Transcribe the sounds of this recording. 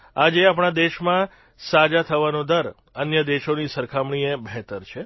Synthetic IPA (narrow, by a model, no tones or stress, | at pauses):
ad͡ʒeap̬ɳ̃ad̪eʃmã | sad͡ʒat̪ʰəʋanõd̪əɾ | ənjəd̪eʃonisəɾkʰamɳ̃iebʱɛt̪əɾt͡ʃʰe